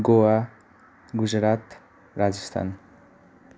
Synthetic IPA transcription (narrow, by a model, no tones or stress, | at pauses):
ɡowa | ɡud͡zɾat̪ | rad͡zist̪ʰa̰n